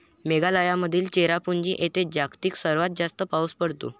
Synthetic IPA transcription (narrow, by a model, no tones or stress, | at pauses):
meɡaləjaməd̪ʱiːlt͡ɕeɾapuɲd͡ʑiːʔet̪ed͡ʑakt̪iːksəɾʋat̪̚d͡zast̪əpauspəɽt̪ṵ